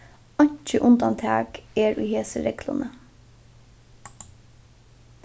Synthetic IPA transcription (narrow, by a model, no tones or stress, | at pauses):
ɑɲ̥t͡ʃəʔʊnd̪ɑnt̪ʰæːɡeːɹʉːheːsəɾɛklʊ̰nə